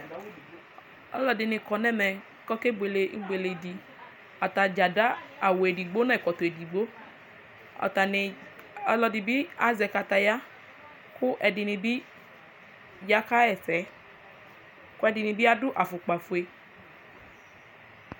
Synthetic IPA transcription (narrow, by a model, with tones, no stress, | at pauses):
ɔ̰˦lɔ˧dɪ˧˨nɪ̃˧kɔ˨nɛ˦˨mɛ˨ | kɔ˦ke˦be˨le˧ʔi˦bʷe˨le˧di˨ | a˨ta˧d͡ʒa˨da˦a˨wo˨e˨di˨ɡ͡bo˦nã˦˨kɔ˨tu˨e˨di˨ɡ͡bo˦˨ | tn˧ɔ˦lɔ˧di˨bi˦a˦zɛ˨ka˧t̪a˧ja˦ | kʊ˦ʔɛ˧dɪ˧nɪ̃˧bi˦ | ja˦ka˦ɛ˨fɛ˨˦ | kʊ˦ɛ˦dɪ˨nĩ˧bi˦a˦dʊ˦ʔa˨fu˨k͡pa˨fu˧e˧